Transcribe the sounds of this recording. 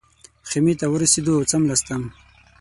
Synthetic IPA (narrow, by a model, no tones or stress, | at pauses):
xemit̪awəɾased̪oawt͡samlast̪am